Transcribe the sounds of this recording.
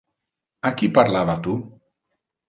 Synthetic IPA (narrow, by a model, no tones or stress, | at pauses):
akipaɾlaβat̪u